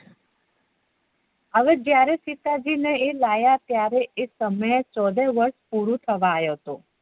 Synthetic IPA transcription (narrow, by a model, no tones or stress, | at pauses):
əʋed͡ʒjaɾesit̪ad͡ʒineːlajat̪jaɾeʔesəməjet͡ʃɔd̪eʋəɾʃpuɾũt̪ʰəʋaːjot̪o